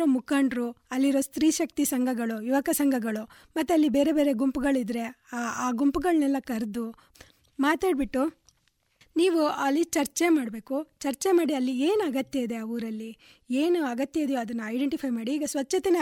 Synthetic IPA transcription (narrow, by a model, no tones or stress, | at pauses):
ɾomukaːɳɖɾuɐlːiɾo̞ːst̪ɾiːʃɐk̚t̪isɐŋɡʱɐɡɐɭujuʋɐkɐsɐŋɡʱɐɡɐɭu | mɐt̪ːuɐlːibeːɾe̞be̞ːɾe̞ɡumpuɡɐɭid̪ɾe̞aːɡumpuɡɐɭnɛlːɐkɐɾd̪u | maːt̪aːɖbiʈːu | niːʋuaːlːit͡ʃɐɾt͡ʃemaːɽbe̞ːkut͡ʃɐɾt͡ʃemaːɽiɐlːieːnɐɡɐt̪jɐid̪e̞ɐʋuɾɐlːi | eːnuɐɡɐt̪jɐid̪ejoɐd̪ɐnːuɐjɖeɳʈipʰɐjmaːɽiːɡɐsʋɐt͡ʃːɐt̪ene